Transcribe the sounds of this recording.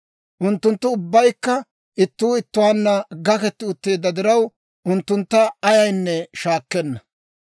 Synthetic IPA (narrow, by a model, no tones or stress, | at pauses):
ʔʊnt̪ːʊnt̪ːʊʊbːɐjkːɐ | ʔɪt̪ːuːɪt̪ːʊwaːnːɐɡɐkɛt̪ːɪʊt̪ːe̞ːd̪ːɐd̪ɪɾɐw | ʊnt̪ːʊnt̪ːɐɐjɐjnːɛʃaːkːɛnːɐ